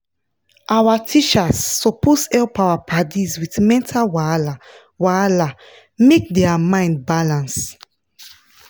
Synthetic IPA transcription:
ʔawatʰit͡ʃasːɔpʰɔshɛlpawapʰadizwitmɛ̃ntʰalwala | wala | mek̚dɛamãɪ̃nd̚balãns

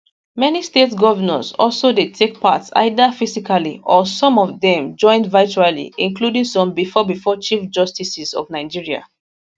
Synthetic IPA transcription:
mɛnistetsɡɔvənə̃sɔ̰lsodetʰek̚pa̰tsa̰ɪdəfisikalḭʔɔsɔ̃mɔvðɛ̃md͡ʒɔ̃ɪ̃ndvat͡ʃualḭĩnkludĩŋsɔ̃mbifɔbifɔt͡ʃifd͡ʒɔstisisɔ̰vnaɪd͡ʒiɹia̰

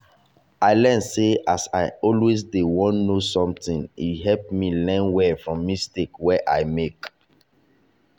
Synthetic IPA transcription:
aɪlɛnseasa̰ɪɔlwes̬dewɔ̃nnosɔ̃mtĩnḭɦɛp̚milɛ̃nwɛfɹɔ̃mːistekwɛʔajmek

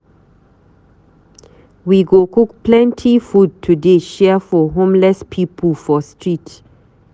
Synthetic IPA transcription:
wiɡokukplɛ̃ntʰifud̚tʰudeʃɛəfɔɦõmlɛspʰipʰəlfɔstɹit

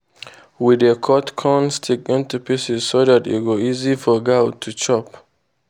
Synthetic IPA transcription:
widekʰɔtkʰɔ̃nstʰikɪ̃ntupʰisɪzsodatṵɡoizifɔɡaʊtʰut͡ʃɔp

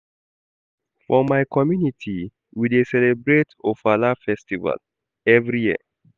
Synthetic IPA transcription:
fɹɔ̃mːajkʰɔmjunitʰi | widesɛlebɾetofalafɛstiva̰l | ɛvɾijiə̰

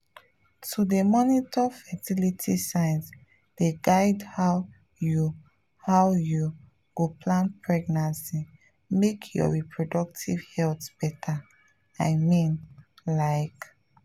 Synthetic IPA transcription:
tʰudemɔnitʰɔfɛtilitʰisãɪns | d̥eɡaɪdhaʊ | ju | haʊju | ɡ̥opʰlãnpʰɹɛɡnãnsi | mekʰjɔ̰ɹipʰɹodɔk̚tʰivhɛltb̥ɛtʰa | aɪmĩnlaɪk

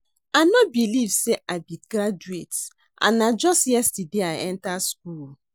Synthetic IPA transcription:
anɔt̚bilivseʔaɪbitɡɾad͡ʒuet | ʔã̰nad͡ʒɔstjɛstideaɪɛ̃ntask̚ul

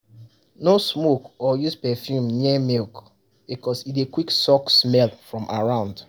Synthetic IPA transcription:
nosmokɔjuspɛfjumnɛmilk | bikɔsitekwiksɔksmɛlfɹɔ̃mʔa̰ɹãʊ̃nd

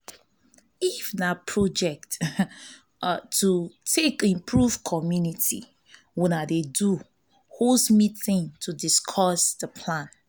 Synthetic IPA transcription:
ifnapʰɹod͡ʒɛk̚t | utʰekĩmpʰɹuvkʰɔmjunitḭ | wunadedu | hosmitĩŋtʰudiskʰɔsdəpʰlãn

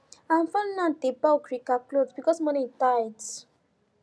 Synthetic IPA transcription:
ãmfãnnãntebawkɾikaklodbikɔsmɔ̃nĩtajd

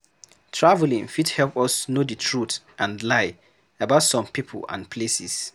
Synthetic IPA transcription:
tʰɹavlĩŋfidhɛlpɔsnodətʰɹut | ʔãnlaɪ | abaʊtsɔ̃mpipʰə̰lã̰npʰlesis

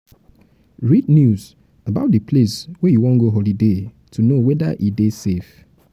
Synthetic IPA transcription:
ɹidnjuz | abaʊt̚dəpʰleswɛjuwɔ̃nɡoɦɔlide | tʰunowɛdaʔidesef

